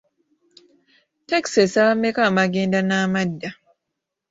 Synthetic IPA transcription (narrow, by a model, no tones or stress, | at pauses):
teksesaβamːekamaɡeːndanaːmadːa